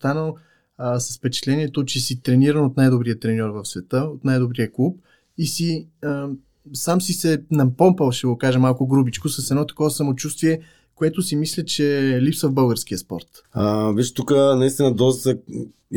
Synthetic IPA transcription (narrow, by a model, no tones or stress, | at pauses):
st̪anəlˠ | sɐ̥sfpɛt͡ʃɛt̪lɛniɛt̪ot͡ʃɛsit̪ɾɛniɾənot̪najd̪obɾijət̪ɾɛnʲɔɾvəfsvɛt̪əot̪najd̪obɾiəklˠup̚ | isiə | samsisɛnɐpɔmpəlˠʃt̪ɛɡokaʒɛmalˠkʊɡɾubit͡ʃkʊsɐsɛd̪nɔt̪ɐ̥kɔvɐsɐmot͡ʃust̪viɛ | koɛt̪ʊsimislʲət͡ʃɛlipsvəvbɤlˠɡəɾskiəspɔ̰ɾt̪ | əvit͡ʃt̪ukənɐist̪inəd̪ɔst̪sɛ